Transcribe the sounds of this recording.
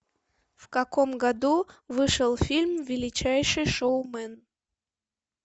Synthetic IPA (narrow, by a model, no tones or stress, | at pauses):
fkakomɡad̪uvɨʂəlˠfʲilʲmvʲɪlʲit͡ɕajʂɨjʂowmɛn